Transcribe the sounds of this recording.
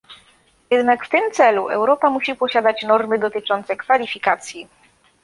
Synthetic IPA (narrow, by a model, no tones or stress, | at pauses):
jɛd̪nakft̪ɘmt̪sɛluʔɛ̰wɾɔpamuɕipɔɕad̪at͡ɕnɔɾmɘd̪ɔt̪ɘt͡ʂɔnt̪sɛkfalʲifʲikat̪sʲji